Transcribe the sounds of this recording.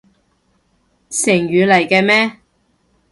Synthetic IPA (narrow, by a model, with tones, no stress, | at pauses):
sɪ˨˩ŋjyː˨lɐ˨˩jkɛː˧mɛː˥